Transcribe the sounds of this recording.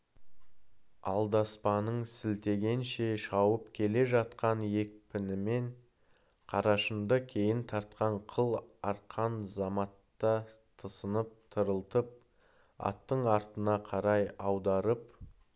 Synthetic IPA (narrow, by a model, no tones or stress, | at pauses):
ɑ̰lˠd̪ɑspɑnəɴsɪlt̪e̞ɡʲe̞nʃe̞ʃɑwəpkʲʰe̞le̞ʒɑt̪qɑnje̞k̚pʰɪnɪme̞ɴ | qʰɑɾɑʃəmd̪əkʲʰe̞jɪnt̪ʰɑɾt̪qɑɴqʰəlˠɑɾqʰɑnzɑmɑt̪ːət̪ʰəsənəp̚t̪ʰəɾəlˠt̪əp̚ | ɑ̰t̪ːəɴɑɾt̪ənɑqʰɑɾɑjɑwd̪ɑɾəp